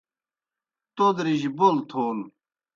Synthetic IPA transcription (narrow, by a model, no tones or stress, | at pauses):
t̪od̪ɾiʑibolt̪ʰoːl